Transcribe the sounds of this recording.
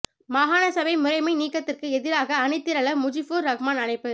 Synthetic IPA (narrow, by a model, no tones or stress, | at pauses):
maːɣaːnɐsɐʋɐɪmʊrɐɪmɐɪniːkːɐt̪ːɪrkɯɛðɪɾaːɣɐːnɪt̪ːɪɾɐɭɐmʊd͡ʒɪfuːɾɾɐɣɐmaːnɐnɐɪpːɯ